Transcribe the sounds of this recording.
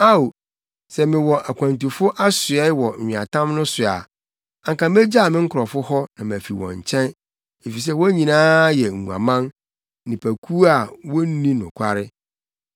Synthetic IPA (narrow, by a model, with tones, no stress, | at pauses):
a˦o˨ | sɛ˨mɪ̃˨wɔ˨ʔa˨kʷʰã˨ntu˨fʊ˦ʔa˦sʊ˨ɛ˦wɔ˨ɲᶣĩ˨a̰˨tʰã˦mnʊ̃˦sʊ˨a̰˨ | ã˨ŋkã˨m˦e˦d͡ʑa˦˨mɪ̃˦ŋ̩˦kʰʊ˨ɾɔ˨fʊ˦hɔ˦nã˨m˨æ˨fi˨wɔ̰̃˨ɲ̩˨t͡ɕʰɛ̃˦n | e˨fi˨s̬ɛ˦wɔ˦ɲĩ˨nãː˦jɛ˨ŋ̩˨ũ˨a̰˨mã˦n˦ | nɪ̃˨pʰæ˨kʰu˦a˨wɔ˦n˦nĩ˦nʊ̰̃˨kʷʰa˦ɾɪ˦